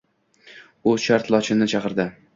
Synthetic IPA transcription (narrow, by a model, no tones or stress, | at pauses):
ʊʃaɾt̪lˠɒt͡ʃʰɪnɪt͡ʃʰɑqɨɾd̪ɪ